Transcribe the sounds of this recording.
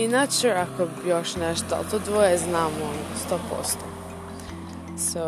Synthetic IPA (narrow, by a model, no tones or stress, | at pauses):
inat͡ʃeakojoʃnɛʃt̪oa̰lˠt̪od̪ʋojeznaːmonost̪oːpo̰st̪o | so